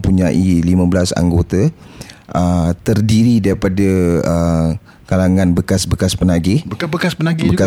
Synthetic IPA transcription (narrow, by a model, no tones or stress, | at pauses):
puɲaʔilimə̃bəlasa̰ŋɡot̪aʔət̪ərdiɾidaɾipadaə | kalaŋãnbəkasbəkaspənaɡɪhbəkaspənaɡbəka